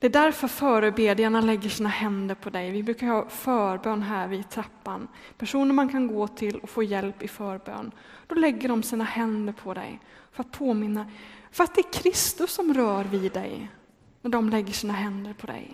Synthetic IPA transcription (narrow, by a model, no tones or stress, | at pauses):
d̪̥ɛːd̪æɾfœɾfœːɾəbeːd̪ɪjaɳalɛɡːəʂiːnahɛnd̪əɾpʰɔd̪ɛjvɪbɾʉ̟ːkaɾhɑːfœːɾbøːnɦæːɾvɪd̪̚t̪ʰɾapːanpʰæʂuːnəɾmankʰanɡoːt̪ʰɪlɔfoːjɛlpɪfœːɾbø̰ːn | d̪̥ɔlɛɡːəɖɔmsiːnahɛnd̪əɾpʰɔd̪ɛ̰jfœɾat̪̚pʰoːmɪnːafœɾat̪̚d̪ɛæɾkʰɾɪst̪ɵsːɔmɾœːɾvɪd̪ɛ̰j | næɖɔmlɛɡːəʂiːnaɦɛnd̪əɾpʰɔd̪ɛ̰j